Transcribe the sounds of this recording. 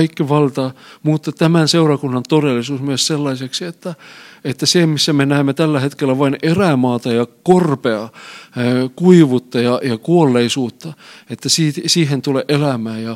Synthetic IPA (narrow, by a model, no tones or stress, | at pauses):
ikːiʋɑlt̪ɑmuːt̪ːɑt̪æmænseurɑkunːɑnt̪odelːˑisuːsmyøsselːɑiseksiet̪ːæet̪ːæseːˑmisːæmenæemːet̪ælːæhet̪kelːæʋɑineræmɑːt̪ɑjɑkorpeɑ | kuiʋut̪ːɑjɑjɑkuolːeisuːt̪ːɑet̪ːæsiːtsiːhent̪uleʔelæmæːjjɑ